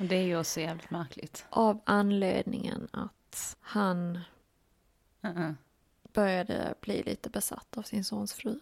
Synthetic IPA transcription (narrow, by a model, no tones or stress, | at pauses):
d̪ɛæɾjɵɔksɔjæːvlɪt̪mæɾkʰlɪ̰ɡt̪ʔavanleːd̪nɪŋənat̪han | b̥œɾjad̪ə̰b̥liːliːt̪əbɛsa̰t̪ːavsɪnsoːnsfɾʉ̟ː